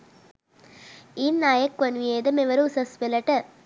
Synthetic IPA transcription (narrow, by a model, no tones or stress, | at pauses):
inːaːjɐkːʋɐnʋieːd̪ɐmeʋɐɾusɐspelɐʈɐ